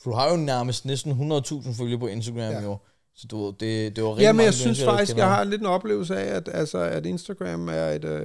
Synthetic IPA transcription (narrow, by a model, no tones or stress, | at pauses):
fɒd̥uɦɑ̈jo̝næɐməsd̥nesd̥n̩ɦunʁɐð̩ˠt͡sʰṵːsn̩føljɐpʰɒ̽e̝nsd̥ɐɡ̥ʁæmjo | sɒ̽d̥uʋe̝ð̰ˠd̥e̝d̥e̝ʋɑʁjæmmenjɑ̈ɪsynsfɑ̈ɡ̥d̥isɡ̥jɑ̈ɪɦɑ̈enle̝d̥enɒ̽b̥le̝̰ːʊl̩səɛæd̥ælsəæd̥e̝nsd̥æɡ̥ʁæ̰mæɐe̝d̥